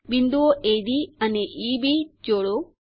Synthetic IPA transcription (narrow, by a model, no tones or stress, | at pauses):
bind̪uoʔed̪iɐneʔibid͡ʒoːɭo